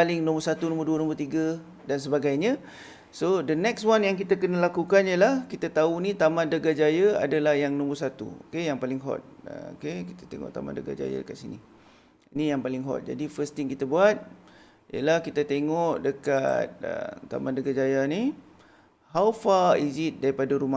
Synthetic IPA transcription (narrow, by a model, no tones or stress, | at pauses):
palɪŋnɔ̃mbərsat̪unõmərduənõmərt̪iɡa | dans̬əbaɡajɲã | sodənɛkswanjaŋkit̪akənəlakukanijəlahkit̪at̪aunit̪amãndəɡad͡ʒajaa̰dalahjaŋnɔ̃mərsat̪ṵo̰kejaŋpalɪŋɦɔ̰t̪̚ə̰o̰kekit̪ḁt̪eŋɔ̰ʔt̪a̰ma̰ndəɡa̰d͡ʒa̰ja̰dəkat̪̚sinḭ | inijaŋpalɪŋɦɔ̰t̪̚d͡ʒa̰difəst̪iŋkit̪abuat̪̚ | ijə̰lahkit̪at̪eŋɔʔdəka̰t̪̚ə̰t̪a̰mãndəɡad͡ʒajani | hawfaizit̪̚daɾipadaɾuma